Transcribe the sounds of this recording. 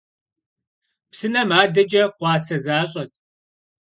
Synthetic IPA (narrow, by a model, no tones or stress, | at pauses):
psɨnɐmaːdɐd͡ʒɐqʷɑːt͡sʰɐzaːɕʼɐtʰ